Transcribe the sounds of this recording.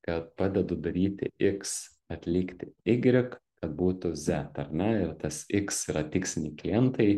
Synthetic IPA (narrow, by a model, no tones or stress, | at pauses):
kɐt̪̚pɑːd̪ʲɛd̪ʊd̪ɐɾʲiːt̪ʲɪ̰ɪks | ɐt̪ʲlʲɪːkt̪ʲɪɪɡʲɾʲɪkkɐt̪̚buːt̪ʊzʲɛt̪ɐrʲnʲɛɪrt̪ɐsɪksiːɾɐt̪ʲɪksʲɪnʲiːklʲɪɛnt̪ɐɪ